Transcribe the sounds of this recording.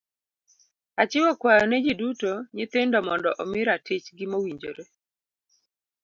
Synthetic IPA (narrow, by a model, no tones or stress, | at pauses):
at͡ʃɪwɔkwajɔnɛd͡ʒidutoɲɪt̪ɪndɔmɔndɔʔɔmɪɾatɪt͡ʃɡɪmowiɲd͡ʒo̰ɾe